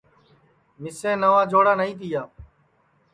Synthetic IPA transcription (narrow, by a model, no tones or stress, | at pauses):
mɪsẽːnəʋaːd͡ʒʱoːɽaːnəĩːt̪̬ijaː